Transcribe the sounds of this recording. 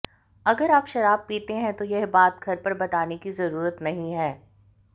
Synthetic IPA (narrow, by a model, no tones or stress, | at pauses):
ɐɡəɾaːpʃɐɾaːb̚piːt̪eɦɛ̃t̪ojɛɦbaːt̪̚ɡʱɐɾpɐɾbɐt̪aːnekizɐɾuːɾət̪nɐɦĩɦɛː